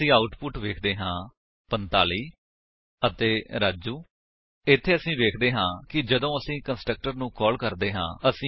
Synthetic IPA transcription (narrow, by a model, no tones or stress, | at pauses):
ĩːaːʊʈpʊʈʋeːkʰd̪eːɦãː | pənt̪aːliː | ət̪eːɾaːd͡ʒuː | ɪt̪ʰːeːəsĩːʋeːkʰd̪eːɦãːkɪd͡ʒəd̪õːəsĩːkənsʈɾək̚ʈəɾnũːkɔːlkəɾd̪eːɦãːəsĩː